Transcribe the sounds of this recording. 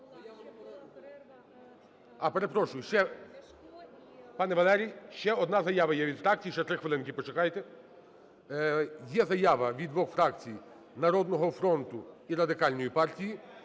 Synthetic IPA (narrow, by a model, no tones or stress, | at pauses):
ɐpeɾe̞pɾɔʃʊjʊʃt͡ʃɛ | pɑnɛʋɐlˠɛɾʲijʃt͡ʃɛɔd̪nɑzɐjɑʋɐjɛʋʲid̪fɾɑk̚t͡sʲijit͡ʃɛt̪ɾɪxʋelˠɪnkʲɪpɔt͡ʃekɑjt̪ɛ | jɛzɐjɑʋɐʋʲid̪ʋɔxfɾɑkt͡sʲij | nɐɾɔd̪nɔɦɔfɾɔnt̪ʊiɾɐd̪ɪkɑlʲnɔjipɑrtʲiji